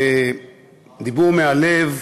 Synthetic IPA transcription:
d̪ibuʁmealev

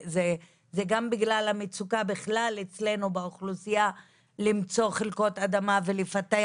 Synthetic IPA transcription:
ze | zeɡambiɡlalhamit͡sukabiχlalet͡sle̞nubeoχlusija | limt͡so̞χelko̞t̪ad̪amavelefate

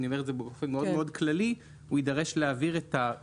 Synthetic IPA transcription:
nio̞meetdzebeofenmeodmeo̞dklali | uidaʁe̞ʃleaviʁeta

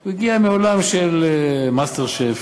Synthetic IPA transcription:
uiɡiameolamʃelmast̪eʁʃef

